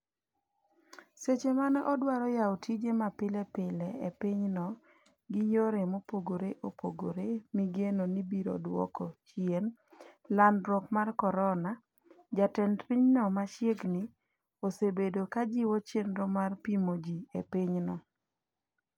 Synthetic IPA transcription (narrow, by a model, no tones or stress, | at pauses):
set͡ʃemanɔʔɔdwaɾɔjaotʰid͡ʒemapɪlɛpɪlɛepɪɲnɔ | ɡɪjoɾemopoɡoɾeʔopʰo̰ɡo̰ɾemiɡenonibiɾo̰dwɔ̰kɔt͡ʃjenlandɾɔkmarkɔɾɔna | d͡ʒatɛntpiɲnɔmaʃjeɡnɪ | osebedokad͡ʒiwɔt͡ʃenɾomarpimod͡ʒiḛpɪɲnɔ